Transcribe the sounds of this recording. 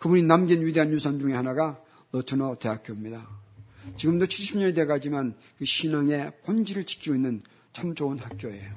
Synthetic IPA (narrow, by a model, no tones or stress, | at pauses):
kɯbuninamɡinɥide̞ɦanjusʰʌnd͡ʑuŋe̞hanaɡa | lʌtʰɯnʌte̞ak͈jomɲida | t͡ɕiɡɯmdot͡ɕʰiɭɕ͈ʰimɲʌnedeekad͡ʑiman | kɯɕʰinaŋe̞pond͡ʑiɾɯɭt͡ɕi̥kʰiɡoinːɯn | t͡ɕʰamt͡ɕ͈ounhak̚k͈joe̞jo